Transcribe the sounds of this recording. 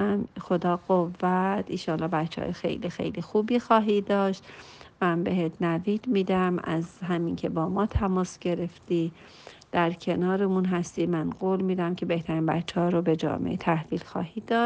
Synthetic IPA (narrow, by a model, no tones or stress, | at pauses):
mxo̞d̪ɒːɡ̥ovːæt̪ʰinʃɒːlːɒːbæt̪t͡ʃːḛɒ̰jxḛjlixḛjlixuːbiːxɒːɦiːd̪ɒːʃt̪mænbe̞ɦet̪ʰnæviːd̪miːd̪æmæ̰zɦæmincʰe̞bɒːmɒːt̪ʰæmɒːsɡ̥e̞ɾe̞ft̪iː | d̪̥æɾcʰe̞nɒːɾemunɦæst̪iːmænɡoːlmiːd̪æmcʰʲe̞be̞ht̪ʰæɾiːnbæ̰t̪t͡ʃʰːehɒːɾobe̞d͡ʒɒ̰ːmḛʔet̪ʰæhviːlxɒ̰ːhiːd̪ɒːd̪̥̚